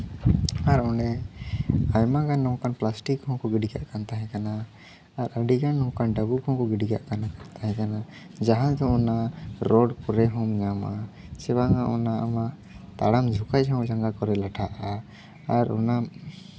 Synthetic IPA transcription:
aɾɔɖɛ | ajmakanːɔŋkanplasʈikhɔ̃ŋkɔɡiɖiɡa̰ʔkant̪aɦɛ̃kanaː | ɾʔəɖikanːɔŋkanɖaɡukʰɔ̃ŋkɔɡiɖiɡa̰ʔkanakant̪aɦɛ̃kana | d͡ʒaɦãd̪ɔɔnaɾɔɖkɔɾɛɦɔ̃mɲamasɛbaŋaʔɔnaamaʔ | t̪a̰ɽamd͡ʒʱukajɔ̃d͡ʒaŋɡakɔɾɛlaʈʰaʔa | aɾɔ̰na

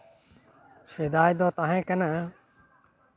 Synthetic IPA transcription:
ʃɪd̪aːjd̪oːt̪aːɦẽːkənə

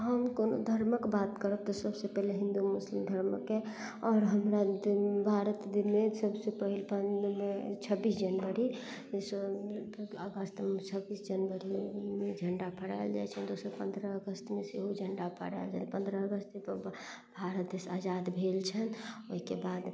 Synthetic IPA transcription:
ɦəmkono̰d̪ʱəɾməkbat̪kəɾəb̚t̪ɔsəbsepɛɦleɦĩnd̪umuslimd̪ʱəɾməkːe | ɔːɾɦəmɾabʱaɾət̪d̪inmesəbsepəɦilpəmet͡ʃʰəbisd͡ʒənʋəɾis | əɡəst̪t͡ʃʰəbisd͡ʒənʋəɾimed͡ʒʱəɳɖapʰəɽa̰eld͡ʒa̰ɛt͡ʃʰɛnd̪osəɾpə̃nd̪ʱɾəəɡəst̪meseɦod͡ʒʱəɳɖapʰə̰ɽa̰ld͡ʒapə̃nd̪ɾəəɡəst̪epə | bʱaɾət̪̚d̪esad͡ʒad̪bʱelt͡ʃʰənoɦikebad̪

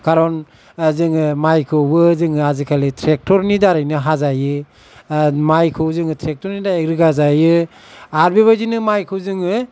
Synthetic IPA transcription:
kaɾɔn | zɯŋɯmajkʰɯwbɯzɯŋɯazikʰaletʰɾek̚tɔɾnidaɾajnɯɦazajɯ | majkʰɯwzɯŋɯtʰɾek̚tɔɾnidaeɾɯɡazajɯ | aɾbeβazinɯmajkʰɯwzɯŋɯ

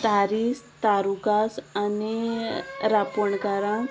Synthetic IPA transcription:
t̪aɾiːst̪aɾukasani | ɾapɔɳkaɾã

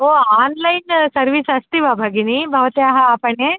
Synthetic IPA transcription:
oaːnlajnsɐɾʋisɐst̪iʋabʱaɡinibʱɐʋt̪jaɦaːpəɳe

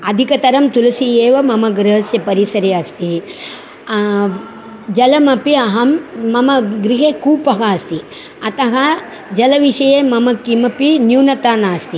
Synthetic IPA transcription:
ɐd̪ʱikɐt̪ɐɾɐmt̪ulɐsieːʋɐmɐmɐɡɾɐɦɐsjɐpɐɾisɐɾeɐst̪i | d͡ʒɐlɐmɐpiɐɦɐmːɐmɐɡɾiɦeːkuːpɐɦaːst̪i | ɐt̪ɐɦɐ | d͡ʒɐlɐʋiʂɐjeːmɐmɐkimɐpinjuːnɐt̪aːnaːst̪i

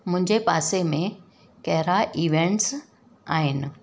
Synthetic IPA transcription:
mʊ̃ɦɪ̃ɲd͡ʑepaːsemẽ | kɐɦɪɾaʔiːʋẽɳʈs | aːɦɪnɪ̆

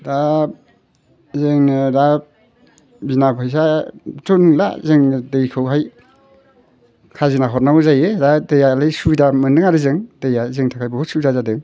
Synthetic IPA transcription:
da | zɯŋnɯɾa | binabʰajs̬atunla̰zɯŋndejkʰɯwɦaj | kʰazinaɦɔt̚nawzajeɾadejalajsudamɯndɯŋaɾɯzɯŋdejazɯŋtʰakʰajbɯhut̚suzazadɯŋ

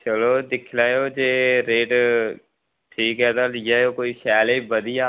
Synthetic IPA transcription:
t͡ʃəloːd̪ɪkʰlaːjoːd͡ʒeːɾeːʈ | ʈʰiːkɦɛːt̪ajɛoːkoːisɛːlebəd̪ɪjaː

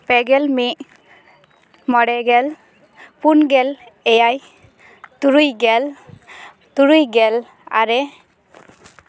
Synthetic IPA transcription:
pɛɡɛlmiʔ | mɔɽɛɡɛl | punɡɛlɛjaj | t̪uɾujɡɛl | t̪uɾujɡɛl | a̰ɾɛ

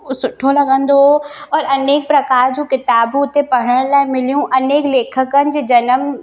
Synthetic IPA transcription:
sʊʈʰõlɐɡə̃nd̪oɔːɾɐneːk̚pɾɐkaːɾd͡ʒokɪt̪aːbuːt̪epɐɽ̤əɽ̃lamɪliũʔɐneːkleːkʰəkənd͡ʒed͡ʒɐnəm

